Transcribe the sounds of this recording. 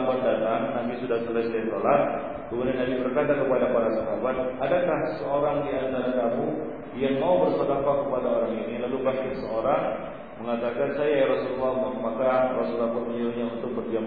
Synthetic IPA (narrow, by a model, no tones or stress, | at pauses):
bat̪̚dat̪aŋnamisudahsəlasajat̪olat̪̚ | kəmudanːabibərkat̪akəpadapaɾasaɦabat̪̚ʔadakahsəoɾaŋjant̪aɾadamu | jaŋmaubərsədapakːəpadaoɾaŋinilalupast̪isəoɾaŋ | məŋat̪akansajaɾasululːɔhmərmakarɔsulːaɔməɲiluɲaunt̪ʊk̚bərd͡ʒam